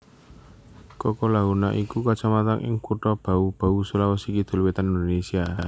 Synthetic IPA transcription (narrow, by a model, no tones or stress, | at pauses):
kɔkɔlaɦuna̰ʔikukat͡ʃamat̪aŋʔɪ̰ŋkuʈɔb̥a̤ub̥a̤usulawɔsikid̪̥o̤lwet̪aninonesia